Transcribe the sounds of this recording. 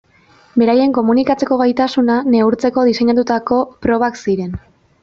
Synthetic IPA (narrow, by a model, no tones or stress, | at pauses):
be̞ɾaje̞ŋko̞munikat͡se̞ko̞ɣajt̪asunane̞uɾt͡se̞ko̞ðise̞ɲat̪ut̪ako̞pɾo̞β̞aksiɾe̞n